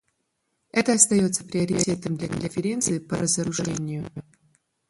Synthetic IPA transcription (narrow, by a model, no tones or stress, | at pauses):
ɛt̪əɐst̪ɐjo̞t̪sə̥pɾʲɪəɾʲɪet̪əmd̪lʲɐkəlʲɪfʲɪɾʲe̞nt̪sɨɪpəɾəzəɾʊʐɛnʲɪjʊ